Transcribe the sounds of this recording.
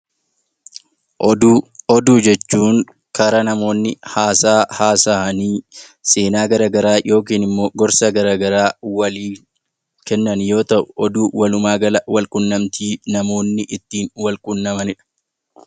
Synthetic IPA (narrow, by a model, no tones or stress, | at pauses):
ɔd̪uːd͡ʒɛt͡ʃːuːŋ | kɐɾɐnɐmo̞ːnːɪhaːsaːhaːsɐʔɐniːse̞ːnaːɡɐɾaːɡɐɾaːjʔo̞ːk̬iːnɪmːo̞ːɡɔɾsɐɡɐɾaːɡɐɾaːwɐliː | kɛnːɐnjo̞ːt̪ɐʔʊ̥ʔɔd̪uːwɐlʊmaːɡɐlɐwɐlkʼʊnːɐmt̪iːnɐmo̞ːnːɪʔɪt̪ːiːnwɐlkʼʊnːɐmɐnɪᶑɐ̥